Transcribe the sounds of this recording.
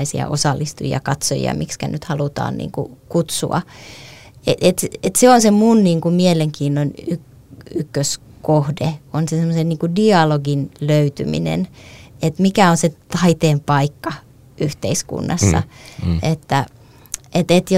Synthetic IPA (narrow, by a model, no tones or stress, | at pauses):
isiɑ̰ʔosɑlːist̪ujiɑ̰kɑt̪so̰jḭɑ̰mikskæ̰nyt̪hɑlut̪ɑ̰ːnnḭːŋkṵkut̪sṵɑ̰ | eʔet̪et̪seonsemunniːŋkumieleŋkiːnːonyk | ykːøskohdeonsesemːosenniːŋkudiɑloɡinløyt̪y̰mḭnḛnet̪mikæonset̪ɑit̪eːmpɑikːɑ | ʔyht̪eiskṵnːɑsːɑ̰et̪ːæ | ʔet̪et̪jo